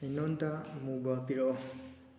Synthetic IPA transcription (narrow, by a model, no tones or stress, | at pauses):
enɔntamubapiɾɔ